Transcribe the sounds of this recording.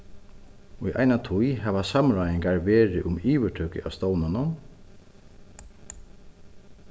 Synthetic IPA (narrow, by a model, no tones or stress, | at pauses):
ʊjʔa̰jnat̪ʰujɦaːʋasamɹajɪŋkaɹʋeːɾɪʔʊmiːʋəʈʰœːkɪ̰ʔa̰ʋst̪ɔwnanʊn